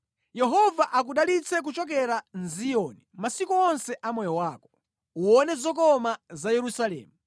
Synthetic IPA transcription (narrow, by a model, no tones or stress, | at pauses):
jɛɦɔvaʔak̬uɗalit͡sʰɛk̬ut͡ʃɔk̬ɛɾanzijɔnimasikuɔnsɛʔamɔjɔwaːkɔ | uɔnɛzɔk̬ɔmazajɛɾusalɛ̰ːmu